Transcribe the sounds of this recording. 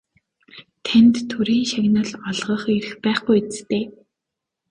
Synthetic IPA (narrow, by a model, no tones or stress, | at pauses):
t̪ʰant̪ːʰɵɾiːŋʃaɣnə̆ɮɔɮʁə̆χeɾɘ̆xpæːχɡujet͡st̪eː